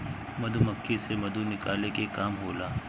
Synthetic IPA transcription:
mɐd̪ʱumɐkʰːesemɐd̪unɪkaːlekekaːmɦoːlaː

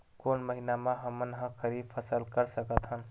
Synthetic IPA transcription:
konməɦinamaɦəmənɦə̃kʰəɾipʰəsəlkəɾsəkət̪ɦən

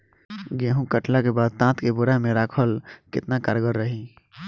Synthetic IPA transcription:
ɡeɦũkəʈlakebaːd̪̚t̪ãːt̪kebʊɾamẽɾaːkʰəlkɪ̰t̪naka̰ɾɡəɾːəɦi

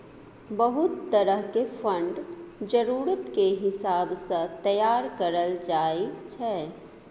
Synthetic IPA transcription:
bəɦʊt̪ːəɾəɦkefʰə̃ɳɖd͡ʒəɾuːɾət̪keɦɪsaːbsə̃t̪əjaːɾkəɾəld͡ʒaːit͡ʃʰɛ

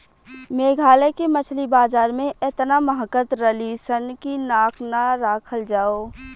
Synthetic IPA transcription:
meːɡʱaːlekemət͡ʃʰlibaːzaːɾmẽɪt̪naməɦəkət̪ɾəlisənkinaːkʰnaɾaːkʰəld͡ʒaːoː

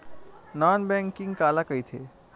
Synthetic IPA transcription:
nɔnbɛ̃ŋkĩŋɡkalakəjt̪ʰe

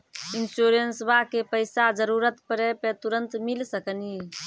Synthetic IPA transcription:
insuɾensbakepəɪsad͡ʒəɾuɾət̪pəɾɛpet̪uɾənt̪milsəkəni

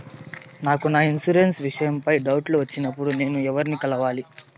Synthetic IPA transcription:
naːkunaːinsuɾensʋiʂɐjɐmpɐjɖɐwʈluʋɐt͡ʃːinɐpːuɽune̞ːnuɛʋɐɾinikɐlɐʋaːli

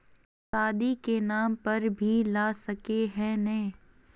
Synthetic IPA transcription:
saːd̪ikenaːmpɐɾbʱilaːsɐkeɦɛ̃nɐĩ

